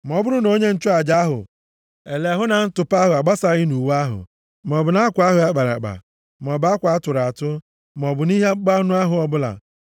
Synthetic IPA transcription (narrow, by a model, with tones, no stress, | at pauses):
m˨ɔ˨bʊ˦ɾʊ˦no˦ɲe˦n̩˦t͡ʃʊ˦a˨d͡ʒa˦ɦʊ̰˨ | e˨le˨a˨ɦʊ˦na˨n̩˦tʊ˨pa˦ɦʊ˨a˨ɡ͡ba˦sa˦ɣɪ˦nu˨wa˦ɦʊ̰˨ | m˨ɔ˨bʊ˨na˦kʷa˦ɦʊ˨a˦k͡pa˨ɾa̰˨ɡ͡ba̰˨ | m˨ɔ˨ba˦kʷa˨˦tʊ˨ɾa˨tʊ˦ | m˨ɔ˨bʊ˨ni˦ɦe˦k͡pa˦u˦nu˦a˦ɦʊ˨ɔ˦bʊ˦la̰˨